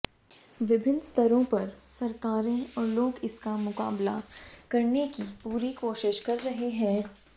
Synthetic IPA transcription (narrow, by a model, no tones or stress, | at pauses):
ʋɪbʱɪnst̪ʰɐɾõpɐɾsɐɾkaːɾẽɔːɾloːɡɪskamʊka̰ːbla̰kɐɾnekipuːɾikoːʃɪʃkɐɾːɐɦeɦɛ̃ː